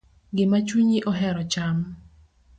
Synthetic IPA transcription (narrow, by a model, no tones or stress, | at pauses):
ɡɪmat͡ʃuɲiʔɔɦɛɾɔt͡ʃam